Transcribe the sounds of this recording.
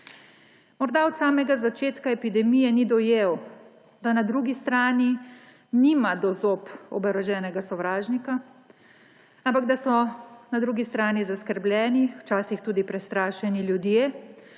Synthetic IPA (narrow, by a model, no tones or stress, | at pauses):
mɔɾd̪aɔt̪saːmɛɡazat͡ʃeːt̪kaɛpid̪ɛmijɛnid̪ɔjeːw | d̪anad̪ɾuːɡist̪ɾaːni | niːmad̪ɔzoːpɔ̰bɛɾɔʒɛːnɛɡasɔʋɾaːʒnika | ampaɡd̪asɔnad̪ɾuːɡist̪ɾaːnizaskəɾblʲjɛːniwt͡ʃaːsixt̪uːd̪ipɾɛst̪ɾaːʃɛniljud̪jeː